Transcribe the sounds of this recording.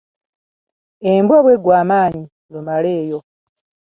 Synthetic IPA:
embwoβweɡwaːmaːɲi | lumale̞ːjo̞

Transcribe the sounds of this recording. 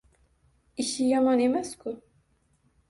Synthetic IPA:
iʃijamɑnemɛskʰu

